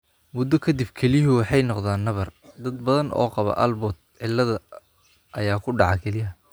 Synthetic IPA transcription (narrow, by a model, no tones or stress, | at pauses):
mʊd̪ɔkʰɐd̪ɪbkʰɛlɪɦʊwɑħɑjnɔqðaːnːɐβɐrd̪ɐd̪̚bɐðɐnʔɔ̰ːqɑβɐ̰ʔɐlbɔːt̪̚ʕɪlːɐðɐ | ʔɐjaːkʰʊɖɑʕɑkʰɛlɪɦɐ